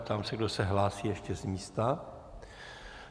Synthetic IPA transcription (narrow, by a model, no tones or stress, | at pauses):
pt̪aːmsɛɡdosɛɦlaːsiːjɛʃcɛzmiːst̪a